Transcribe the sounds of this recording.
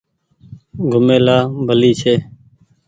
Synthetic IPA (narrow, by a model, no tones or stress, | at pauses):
ɡʱʊmeːlaːbʱəliːt͡ʃʰeː